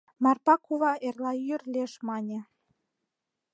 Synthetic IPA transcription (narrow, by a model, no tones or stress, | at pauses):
mɑrpɑkuβɑʔerlɑyrlʲeʃmɑnʲĕ